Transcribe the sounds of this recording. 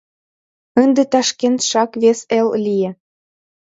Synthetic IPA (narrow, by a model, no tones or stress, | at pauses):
ənd̪ĕt̪ɑʃkent̪ʃɑkβesellije